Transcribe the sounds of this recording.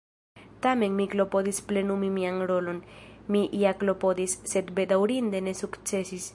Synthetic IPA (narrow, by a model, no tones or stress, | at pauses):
t̪ameŋmiklopoðisplenumimiaŋɾolonmiʔiaklopoðisːet̪bed̪awɾind̪enesukt͡sesis